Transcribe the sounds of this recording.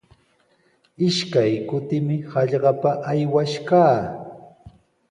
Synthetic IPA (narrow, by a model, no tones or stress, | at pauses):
ɪʃkajkʊt̪ɪmɪhɑʎɢɑpaʔajwaʃkaː